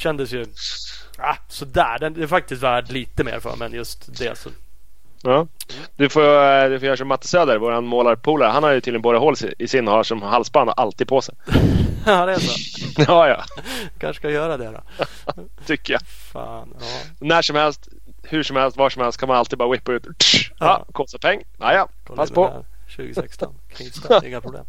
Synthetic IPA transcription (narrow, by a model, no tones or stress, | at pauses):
ɕɛnd̪əsjɵ | a | sɔd̪æ̰ːɖɛnd̪ɛːfak̚t̪ɪst̪væːʈliːt̪əmḛːɾfœ̰ːɾmɛnjɵst̪d̪ɛ̰sɔ̰ | ɑː | d̪̥ɵfoːd̪ɵfoːjœːɾaʂɔmːat̪ːə̥søːd̪əɾvoːɾhanmoːlaɾpʰuːlaɾhanhaɾjɵt̪ʰiːɪɡənboːd̪aɦoːlsɪ̰ɪsɪnːhaʂɔmhalsband̪̰ʔalt̪iːd̪̚pʰoːsɛj | ɑːjɑ̰ː | kʰanʂkajœːɾad̪ɛd̪ɔ̰ | t̪ʰʏkːəja | sɔnæʂɔmhɛlst̪ | hʉʂɔmhɛlst̪vɑːʂɔmhɛlst̪kʰanmanalt̪id̪bɑːɾawɪpːaʉ̟ːt̪ɑ̰ːkʰɔːst̪apʰɛŋː | a̰jɑ | pʰasspʰɔ | ʉ̰ːɡɛkst̪ɔnʰ | ɪ̰ŋːapʰɾʊblḛːm